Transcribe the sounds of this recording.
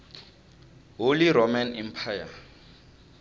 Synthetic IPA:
ɦʊlɪɾɔmanɛmpʰaja

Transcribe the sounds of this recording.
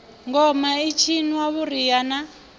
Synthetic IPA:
ŋɡɔmait͡ʃʰiniwaβuɾijana

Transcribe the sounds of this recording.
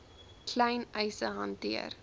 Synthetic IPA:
kʰlɛjnɛjsəɦɐntiə̰r

